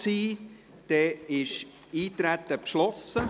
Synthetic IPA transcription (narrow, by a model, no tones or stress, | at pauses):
t͡siː | d̪̥ɛːɪʃ | iːt̪ɾæt̪ːəpʃlɔsə